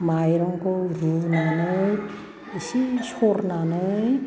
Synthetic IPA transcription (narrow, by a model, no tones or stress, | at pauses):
majɾɔŋkɯɾunanɯj | isisɔɾnanɯj